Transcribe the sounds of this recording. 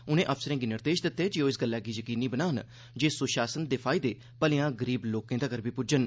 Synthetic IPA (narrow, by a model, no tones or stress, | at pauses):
ʊnẽːʔəfsəɾẽːɡiːnɪɾd̪eːʃd̪ɪt̪ːeːd͡ʒɪoːɪsɡəlːaːɡiːjəkiːniːbənaːn | d͡ʒeːsʊʃaːsənd̪eːpʰaːɪd̪eː | pəlɪjãːɡəɾiːbloːkẽːd̪aːkəɾbiːpʊd͡ʒən